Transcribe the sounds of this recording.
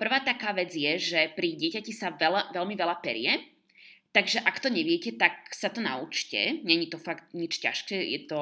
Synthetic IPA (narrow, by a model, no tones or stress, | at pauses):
pr̩ʋaːt̪akaːʋɛd͡zjɛʒɛpɾiɟɪɛcacisaʋɛlaʋɛlmiʋɛlapɛ̰ɾɪjɛ | t̪aɡʒɛʔakt̪ɔɲɛʋɪɛcɛt̪ak̚sat̪ɔna̰ut͡ʃcɛ̰ɲɛɲit̪ɔfaɡt̪ɲit͡ʃca̰ʃkɛːjɛ̰t̪ɔ